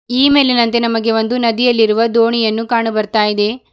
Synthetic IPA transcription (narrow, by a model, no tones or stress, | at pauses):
iːme̞ːlinɐnt̪e̞nɐmɐɡe̞ʋond̪unɐd̪ijɐlːiɾuʋɐd̪oːɳijɐnːukaːɳubɐɾt̪aːjid̪e̞